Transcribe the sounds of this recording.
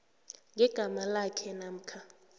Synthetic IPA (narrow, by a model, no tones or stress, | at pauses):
ŋɛɡ̥ʱamalakʰɛnam̩kʰa